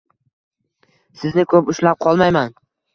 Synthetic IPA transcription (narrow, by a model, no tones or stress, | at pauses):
sɪznɪkʰɵpʊʃlap̚qʰɒlˠmajman